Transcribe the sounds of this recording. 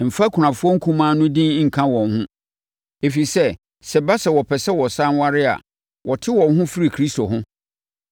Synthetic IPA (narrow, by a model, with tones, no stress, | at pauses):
m̩˨fa˦kʰʊ˨ã˨fʊ˦ɔ˦ŋ̩˦kʰũ˦mãː˦nʊ̃˦dĩ˦ŋ̩˨kʰã˦wɔ̃˨nhʊ̃˦ | e˨fi˨sɛ˦ | sɛ˨ba˦sɛ˨wɔ˨pʰɛ˨sɛ˦wɔ˨sã˦nwa˦ɾɪ˦a̰˨ | wʔɔ˨tʰɪ˦wɔ̃˨nɦʊ̃˦fi˦ɾi˨kʰɾi˦sto˨ɦʊ̃˦